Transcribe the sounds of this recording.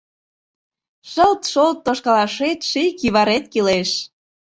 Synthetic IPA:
ʃəlt̪ʃolt̪ːoʃkɑlɑʃet̪ʃikiβɑɾet̪̚kileʃ

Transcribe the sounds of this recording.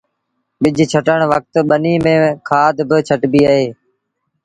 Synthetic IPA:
ɓɪd͡ʒʱt͡ʃʰəʈəɳ̃ʋək̚t̪ɓəniːmẽːkʰaːd̪bɪt͡ʃʰəʈbiːaɦeː

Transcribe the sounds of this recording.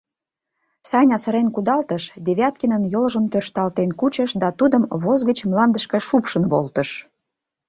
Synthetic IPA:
sɑjnʲɑsəɾenkud̪ɑlt̪əʃd̪eβʲɑt̪̚kinənjolʒəmt̪ørʃt̪ɑlt̪enkut͡ɕəʃd̪ɑt̪ud̪əmβozɣət͡ɕmlɑnd̪əʃkə̆ʃupʃənβolt̪əʃ

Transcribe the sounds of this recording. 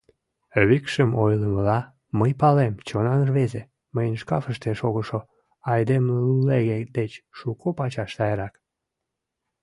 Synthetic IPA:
øβikʃəmojləməlɑ | məjpɑlemt͡ɕonɑnrβeze | məjənʃkɑfəʃt̪eʃoɣəʃo | ɑjd̪emlunleɣed̪et͡ɕʃukʰopɑt͡ɕɑʃt̪ɑjɾɑk

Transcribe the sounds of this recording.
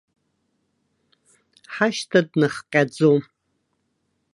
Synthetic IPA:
ħaʃtʰɐdnɨχqʲʼad͡zo

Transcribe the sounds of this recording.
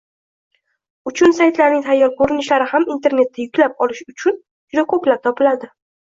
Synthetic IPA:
ʊt͡ʃʰʊnsajt̪laɾnɪŋt̪ʰajːɒɾkʰoɾɪnɪʃlaɾɪhamint̪ʰe̞ɾne̞t̪ʰːajʊkʲlapɒlɪʃʊt͡ʃʰʊn | d͡ʒʊd̪akʰɵplat̪ʰɒpʰɪlad̪ɪ

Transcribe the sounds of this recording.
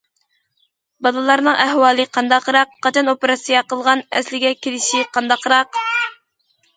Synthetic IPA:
bɑlˠɨlˠɑɾnɨŋæhwɑːlˠɨqʰɑnd̪ɑqɾɑqːɑt͡ʃʰɑnopeɾɑsɨjɑqəlˠʁɑnɛ̰slɪɡʲɛkʲʰilɪʃiqɑnd̪ɑqɾɑq

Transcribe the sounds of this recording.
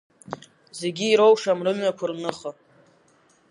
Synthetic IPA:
zeɡʲiːɾo̞wʂamrɨmɥakʷʰarnɨχə

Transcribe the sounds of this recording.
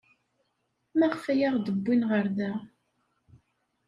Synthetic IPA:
mæʁfæjaʁd̪əbːinʁəɾðæ

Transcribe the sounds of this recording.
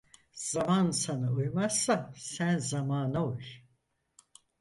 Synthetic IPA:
z̥amansanɯujmasːasænzamaːnauj

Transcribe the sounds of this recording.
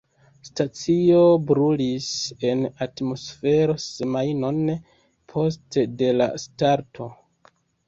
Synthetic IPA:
stat͡sio̞bɾulise̞natmo̞sfe̞ɾosemajno̞n | pʰo̞stede̞la̰staɾtʰo̞

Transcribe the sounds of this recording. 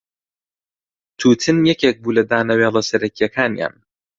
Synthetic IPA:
t̪ʰuːt̪ʰɨnjɛkʰek̚buːlɐd̪aːnɐweːlˠɐsɐɾɐkijɛkʰaːnja̰ːn

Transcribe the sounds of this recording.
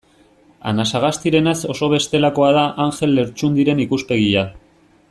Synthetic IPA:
a̰nasaɣ̞ast̪iɾe̞naso̞so̞β̞e̞st̪e̞lako̞aðaʔaŋxe̞lːe̞ɾt͡ʃund̪iɾe̞nikuspe̞ɣ̞ia

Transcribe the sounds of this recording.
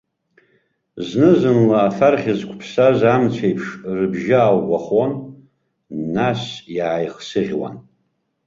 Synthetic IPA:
znɨzɨnlaːfarχʲɪzkʷʰpʰsazamt͡sʷʰejpʰʂrɨbʒaːwɡʷaχon | asjaːjχsɨʁʲwa̰n

